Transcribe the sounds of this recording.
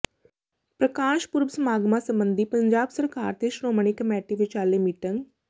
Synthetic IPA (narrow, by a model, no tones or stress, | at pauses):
pɾəkaːʃpʊɾbsəmaːɡmasə̃mbə̃nd̪ʱipɐɲd͡ʒaːbsəɾkaːɾt̪eʃɾoːməɳ̃ikəmɛːʈiʋɪt͡ʃaːlemiʈə̃ŋɡ